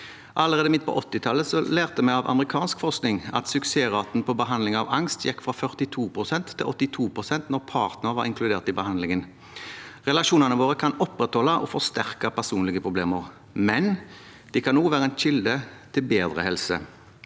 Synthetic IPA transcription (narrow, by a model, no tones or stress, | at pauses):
ʔɑlːəʁeːd̪əmɪt̪̚ːpʰɔ̰ʔɔt̪ːɪt̪ʰɑlːəsɔleːʁt̪əmɛɪɑʋɑ̰məʁɪkʰɑːnskfɔʁsknɪŋɑ̰t̪sʉkseːʁɑːt̪n̩pʰɔbəɦɑnd̪lɪŋɑʋɑŋst̪jɛkːfʁɑfœʁt̪ɪt̪ʰuːpʰʁʊsɛnt̪ʰːɪlʔɔt̪ːɪt̪ʰuːpʰʁʊsɛnt̪nɔʁpʰɑːʁt̪nəʁʋɑɾɪŋkʰlʉd̪eːʁt̪ɪbəhɑnd̪lɪŋən | ʁɛlɑʂuːnɑnəʋoːʁəkʰɑnɔpʁɛt̪hɔlːɑʔɔ̰fɔst̪æʁkɑpæʁsuːnlɪɡəpʰʁʊbleːməʁ | mɛn | d̪̥ɛkʰɑnːuːʋæːʁəɛnʃɪld̪ət̪ʰɪlbeːd̪ʁə̰hɛlsə̰